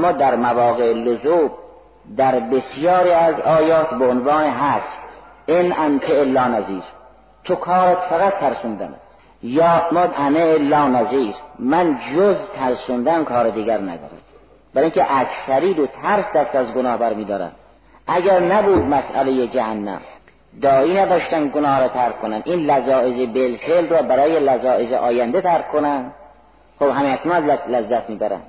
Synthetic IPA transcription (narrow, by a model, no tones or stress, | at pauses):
mːɒːd̪æɾmævɒːɣeelozuːb | d̪æɾbesjɒːɾiːæzɒːjɒːt̪ʰbeonvɑːneɦæsʔenʔænt̪ʰeʔelɒːnæziːɾ | t̪ʰokʰɒːɾet̪fæɣæt̪ʰːæɾsund̪æ̰næ̰s | jɒːmɒːd̪ʔæmeelɒːnæziːɾmænd͡ʒozt̪ʰæɾsund̪æmkʰɒːɾed̪iːɡæɾnæ̰d̪ɒ̰ːɾæ̰m | b̥æɾiiŋkeʔæksæɾiːd̪ot̪ʰæɾsd̪æst̪æzɡonɒːhbæɾmiːd̪ɒːɾæ̰nd̪ | ʔæɡæɾnæbuːd̪̚mæsæ̰lejed͡ʒæhænːæ̰m | d̪ɒːiːnæd̪ɒːʃt̪ænɡonɒːhɾɒːt̪ʰæɾkkʰːonænd̪ʔiːnlæzɒːʔezebelfelɾɒːbæɾɒːjelæzɒːʔezeʔɒːjænd̪et̪ʰæɾkʰːonænd̪ | χobɦæmeæknɔnllæzːæt̪ʰmiːbæɾæ̰nd̪̥